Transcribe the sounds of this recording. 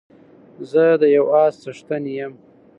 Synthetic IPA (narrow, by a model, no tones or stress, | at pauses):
zəd̪əjawɑːst͡saʂt̪anijam